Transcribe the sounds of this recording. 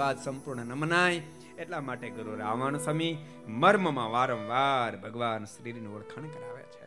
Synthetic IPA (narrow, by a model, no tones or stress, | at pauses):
ad̪səmpuɾɳənəmnaj | eʈlamaʈeɡəɾoɾaʋaɳ̃səmi | məɾməmãʋaɾə̃ʋʋaɾbʱəɡʋanʃɾiɾinũʋəɭkʰaɳ̃kəɾa̰ʋjḛt͡ʃʰe